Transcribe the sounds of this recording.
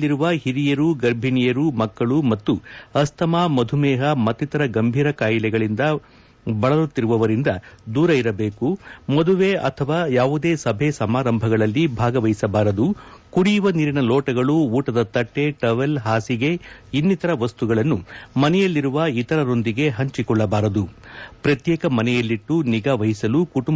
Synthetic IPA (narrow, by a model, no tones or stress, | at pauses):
iɾuʋɐɦiɾijɐɾuɡɐɾbʱinijɐɾumɐkːɐɭumɐt̪ːuɐst̪ɐmaːmɐd̪ʱumɛːɦɐmɐt̪ːit̪ɐɾɐɡɐmbʱiːɾɐkaːjilɛɡɐɭind̪ɐ | bɐɭɐlut̪ːiɾuʋɐʋɐɾind̪ɐd̪uːɾɐiɾɐbeːkumod̪uʋeːʔɐt̪ʰɐʋaːjaːʋud̪e̞ːsɐbʱesɐmaːɾɐmbʱɐɡɐɭɐlːibʱaːɡɐʋɐɦisɐbaːɾɐd̪u | kuɽijuʋɐniːɾinɐloːʈɐɡɐɭuuːʈɐd̪ɐt̪ɐʈːe̞ʈɐʋelɦaːsiɡe̞inːit̪ɐɾɐʋɐst̪uɡɐɭɐnːumɐnɛjɐlːiɾuʋɐit̪ɐɾɐɾo̞nd̪iɡe̞ɦɐɲt͡ʃikɔɭːɐbaːɾɐd̪upɾɐt̪jɛːkɐmɐnɛjɐlːiʈːuniɡaːʋɐɦisɐlukuʈum